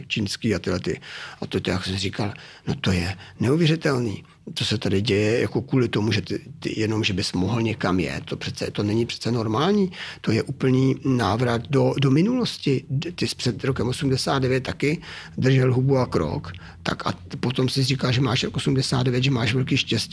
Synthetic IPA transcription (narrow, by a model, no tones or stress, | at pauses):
t͡ʃiːnskiːat̪ɪdlɛt̪ɪ̰ʔat̪ot̪ɛjaksɛriːkalno̞t̪o̞jɛnɛuvjɛrɪt̪ɛlniː | t̪o̞sɛt̪adɪɟɛjɛja̰ko̞kuːlɪt̪o̞muʒɛt̪ɪt̪ɪ̰jɛno̞mʒɛbɪsmoɦl̩ɲɛkamjɛ̰t̪t̪ːopr̥ɛt̪t͡sɛ̰t̪o̞nɛɲɪpr̥ɛ̥t͡sɛno̞ɾmaːlɲiːt̪o̞jɛʔuːpl̩niːnaːvɾat̪dodomɪnulo̞scɪt̪ɪspr̥ɛt̪ɾokɛmʔosumdɛsaːd̪dɛvjɛt̪̚t̪ːakɪd̪r̩ʒɛlɦubuakɾo̞̰k | t̪a̰ka̰po̞t̪o̞msɪriːkalʒɛmaːʃɾokosumdɛsa̰ːd̪dɛvjɛt̪ʒɛmaːʃvɛlkiːʃcɛscː